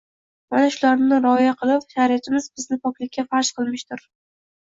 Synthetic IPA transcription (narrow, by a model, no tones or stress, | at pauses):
manaʃʊlaɾnɪɾɒjaqʰɨlˠɪpʃaɾijat̪ʰɪmɪz̥bɪznɪpʰɒkʲlɪkʲːafaɾʃqʰɨlˠmɪʃt̪ʊɾ